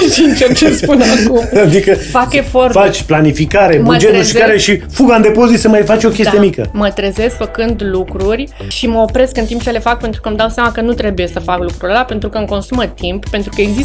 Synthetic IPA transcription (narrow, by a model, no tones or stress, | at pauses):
ʃent͡ʃert͡ʃespunakumad̪ikəfake̞fo̞rfat͡ʃʲplanifikaɾe̞mbəd͡ʒet̪nuʃikaɾeʃifuɡand̪e̞po̞zit̪səmajfat͡ʃʲo̞kʲesdt̪ijemikə̰mət̪ɾeze̞skfəkɨnd̪lukɾurʲ | ʃiməopɾe̞skɨnt̪imp̚t͡ʃe̞le̞fak̚pe̞nt̪ɾukəmd̪awsejamakənut̪ɾe̞buje̞səfaklukɾuɾʲelape̞nt̪ɾukəɨŋko̞nsumət̪imppe̞nt̪ɾukəeɡzis